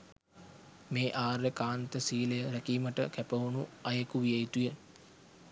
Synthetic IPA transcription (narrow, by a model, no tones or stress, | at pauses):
meːʔaːɾekaːnt̪əsiːləjəɾækiːməʈəkæpəunuajəkuʋijəit̪ujə